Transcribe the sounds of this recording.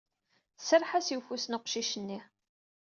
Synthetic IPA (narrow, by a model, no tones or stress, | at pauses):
θsəɾħasiwfusnəqʃiʃənːi